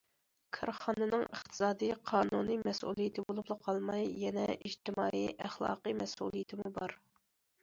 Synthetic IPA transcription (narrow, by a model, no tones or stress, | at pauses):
kʰɑɾχɑnɨnɨŋə̰χt̪ʰɨ̥sɑːd̪ijqʰɑːnunɨmɛsʔṵlˠijɪt̪ʰɪbolˠuplˠəqʰɑlˠmɑjːɛnɛʔiʒt̪ɪmɑːiʔæχlˠɑ̰ːqɨmɛsṵlˠijɪt̪ʰɪmubɑɾ